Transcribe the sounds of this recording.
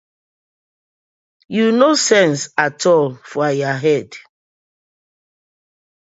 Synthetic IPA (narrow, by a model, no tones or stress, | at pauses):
junosɛ̃nsatʰɔlfɔajaɦɛd